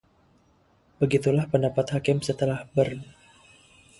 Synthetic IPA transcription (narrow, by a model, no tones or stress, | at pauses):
bəɡit̪ulahpəndapat̪hakɪmsət̪əlahbərn